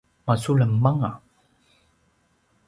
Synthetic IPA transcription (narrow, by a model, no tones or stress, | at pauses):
masuləmːaŋa